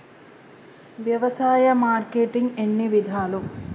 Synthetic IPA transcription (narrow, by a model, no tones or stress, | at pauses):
ʋjɐʋɐsaːjɐmaːɾkeːʈiŋɡenːiʋid̪ʱaːlu